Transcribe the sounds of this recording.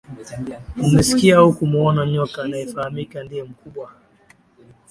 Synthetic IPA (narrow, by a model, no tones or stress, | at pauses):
umɛsi̥kiaukumuɔnaɲɔkaːnaɛfahamikandijɛm̩kuɓwa